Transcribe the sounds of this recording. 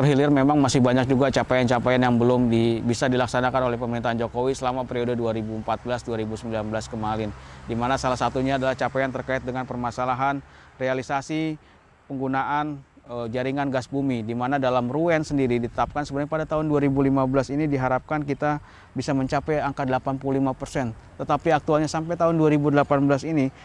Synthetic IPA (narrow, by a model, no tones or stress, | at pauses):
t̪ərɦilɪrmemaŋmasɪhbaɲak̚d͡ʒuɡat͡ʃapajant͡ʃapajanjaŋbəlʊmdibisadilaksanakanolɛhpəməɾint̪aɦand͡ʒokowisəlamapəɾiodəduaɾibuəmpat̪̚bəlasduaɾibusəmbilanbəlaskəmalɪndimanasalahsat̪uɲaːdalaht͡ʃapajant̪ərkaɪt̪̚dəŋanpərmasalaɦan | realisasi | pəŋɡunaʔanəd͡ʒaɾiŋanɡasbumidimanadalamruɛnsəndiɾidit̪ət̪ap̚kansəbənɲapadat̪aɦʊnduaɾibulimabəlasinidiɦaɾap̚kankit̪a | bisaməɲt͡ʃapɛaŋkadəlapanpululimapərsɛnt̪ət̪apiak̚t̪ualɲasampajt̪aɦʊnduaɾibudəlapanbəlasini